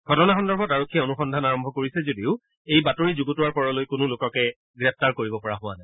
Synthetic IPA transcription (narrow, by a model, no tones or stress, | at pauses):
ɡ̥ʱɔtɔnaxɔndɔɹbʱɔtaɹokʰːiɛonuxɔndʱanaɹɔmbʱɔkoɹisɛzodiʊ | ejbatoɹizuɡutʊwaɹpɔɹɔlojkʊnʊlʊkɔkɛ | ɡɹɛp̚taɹkoɹibɔpɔɹaɦʊana